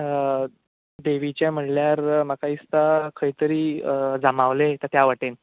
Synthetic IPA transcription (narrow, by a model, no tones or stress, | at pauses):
d̪eʋit͡ɕjam̤əʈljaɾmakaist̪akʰəit̪əɾiːd͡zamaʋlet̪ət̪jaʋəʈen